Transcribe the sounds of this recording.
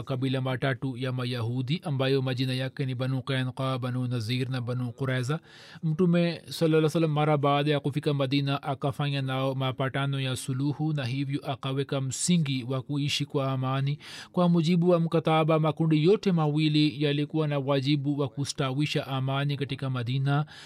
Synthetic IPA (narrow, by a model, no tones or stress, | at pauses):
kɐbilamaʈaʈujamajɐɦuːd̪iʔɐmbajomɐd͡ʒinajakːenibɐnũqeːnqaːbɐnunɐziːɾnabɐnũquɾɛza | mʈumesɐlːɐlːasɐlːɐmːɐɾabaːd̪ajakufikɐmɐd̪iːnaʔɐkɐfajanamapaʈanojasuluhunɐɦiwjuʔɐqɐwekɐmsiŋɡiwakuiʃikuaːmaːnikwamud͡ʒibuɐmkɐt̪aːbamakuɳɖijoʈʰemawilijalikuanawad͡ʒibuwakusʈaːwiʃaʔaːmaːnikɐʈikamɐd̪iːna